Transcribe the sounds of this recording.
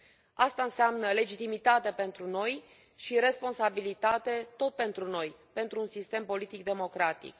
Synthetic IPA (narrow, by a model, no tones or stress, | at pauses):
ast̪aɨnseamnəle̞d͡ʒit̪imit̪at̪epe̞nt̪ɾuno̞j | ʃiɾe̞spo̞nsabilit̪at̪e̞t̪o̞t̪̚pe̞nt̪ɾuno̞j | pe̞nt̪ɾuːnsist̪e̞mpo̞lit̪ik̚d̪e̞mo̞kɾat̪ḭk